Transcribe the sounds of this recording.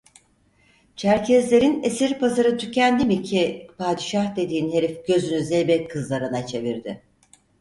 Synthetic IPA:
t͡ʃʰæɾcʰɛzlʲe̞ɾinesiɾpʰazaɾɯt̪ʰycʰænd̪imicʰipʰaːd̪iʃahd̪e̞d̪iːnɦe̞ɾifɟ̥ø̞zynyzejbɛkʰːɯzlˠaɾɯnat͡ʃʰe̞viɾd̪ɪ

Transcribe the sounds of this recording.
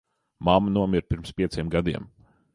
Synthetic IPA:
mamnuɔmiɾpʲiɾmspʲiɛsʲiɛmɡad̪iɛm

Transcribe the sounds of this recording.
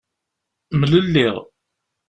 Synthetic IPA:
mələlːiʁ

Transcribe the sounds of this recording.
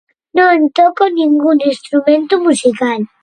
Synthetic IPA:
noent̪ɔkoniŋɡuninst̪ɾumẽnt̪umusikal

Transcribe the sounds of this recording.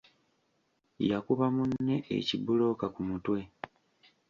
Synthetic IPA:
jakuβamunːe̞ḛcibulo̞ːkakumutwe̞

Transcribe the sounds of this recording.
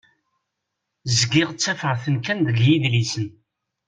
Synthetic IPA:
zɡɪʁt͡sːæfəʁθənkænd̪əljiðlisən

